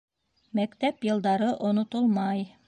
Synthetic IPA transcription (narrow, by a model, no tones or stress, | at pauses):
mækt̪æpjɤ̆lˠd̪ɑɾɤʔŏnŏt̪olˠmɑj